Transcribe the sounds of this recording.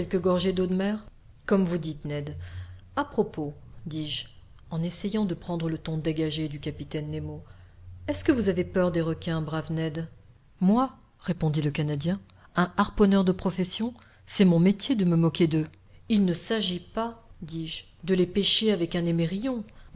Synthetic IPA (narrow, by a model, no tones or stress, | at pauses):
kɛlkəɡɔʁʒed̪od̪mɛʁ | kɔmvud̪it̪nɛd̪apχɔpod̪iʒ | ɑ̃nesejɑ̃d̪əpχɑ̃d̪ʁələt̪ɔ̃d̪eɡaʒed̪ykapit̪ɛnːemo | ɛskəvuzavepœʁd̪eʁəkʲɛ̃bʁavnɛd̪ | mwa | ʁepɔ̃d̪iləkanad̪jɛ̃ | ɛ̃aʁpɔnœʁd̪əpχɔfɛsjɔ̃ | sɛmɔ̃met̪jed̪əməmɔkʲed̪ə | ilnəsaʒipad̪iʒ | d̪əlepɛʃeavɛkɛ̃nemeʁijɔ̃